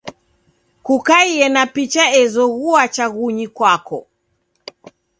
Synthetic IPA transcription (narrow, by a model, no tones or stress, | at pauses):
kukaiɛnapit͡ʃaɛzɔɣuat͡ʃaɣuɲikwakɔ